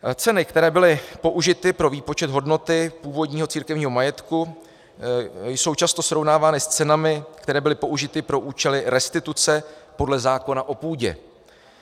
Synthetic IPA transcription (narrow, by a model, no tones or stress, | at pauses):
t͡sɛnɪkt̪ɛɾɛːbɪlɪpo̞ʔuʒɪt̪ɪpɾo̞viːpo̞t͡ʃɛd̪ɦo̞dno̞t̪ɪpuːvo̞dɲiːɦot͡siːɾkɛvɲiːɦo̞majɛt̪ku | jso̞wt͡ʃast̪o̞sɾo̞vnaːvaːnɪst͡sɛnamɪkt̪ɛɾɛːbɪlɪpo̞ʔuʒɪt̪ɪpɾo̞ʔuːt͡ʃɛlɪɾɛst̪ɪt̪ut͡sɛpo̞dlɛzaːko̞naʔo̞puːɟɛ̰